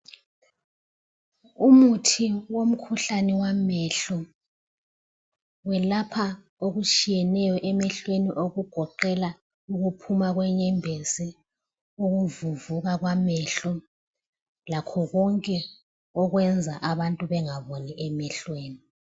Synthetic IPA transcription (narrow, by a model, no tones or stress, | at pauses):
umutʰiwom̩kʰuɬanɛwamɛɬɔ | wɛlapʰa | oɣut͡ʃʼijɛnɛjɔʔɛmɛɬweniʔoɣuɡ̥ʱɔǃɛla | uɣupʰumaɣwɛɲɛmbʱesɛ | uɣuvuvuɣaɣwamɛɬɔ | lakʰɔɣɔŋkʼɛ | ɔɣwɛnd͡zʱaʔaβantʼuβɛŋaβoniʔɛmɛɬweːni